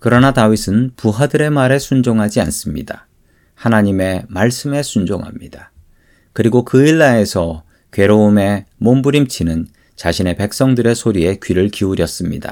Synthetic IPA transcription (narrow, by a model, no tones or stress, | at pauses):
kɯɾʌnatawisʰɯnpuɦadɯɾe̞maɾe̞sʰund͡ʑoŋɦad͡ʑia̰ns͈ɯmɲḭda | hanaɲime̞maɭs͈ɯme̞sʰund͡ʑoŋɦa̰mɲḭd̥a | kɯɾiɡokɯiɭːae̞sʰʌ | kɥe̞ɾoume̞mombuɾimt͡ɕʰinɯn | t͡ɕaɕʰine̞pe̞k̚s͈ʌŋdɯɾe̞sʰoɾie̞kɥiɾɯɭkiuɾjʌs͈ɯmɲḭda̰